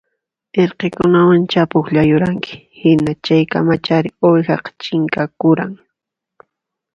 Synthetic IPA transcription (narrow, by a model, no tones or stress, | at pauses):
eɾqekʊnawant͡ʃapʊkʎajʊɾaŋkɪ̥ | hɪnat͡ʃajka̰mat͡ʃaɾɪojxɑqɑ̥t͡ʃɪŋkakʊɾaŋ